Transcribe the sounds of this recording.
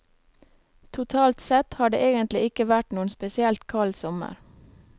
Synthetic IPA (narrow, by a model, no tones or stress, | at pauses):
t̪ʰʊt̪ʰɑːlt̪sɛt̪hɑːɖḛːʔeːɡənt̪lɪɪkəʋæʈnuːənspɛsɪɛlt̪kʰɑlsɔmə̰ɾ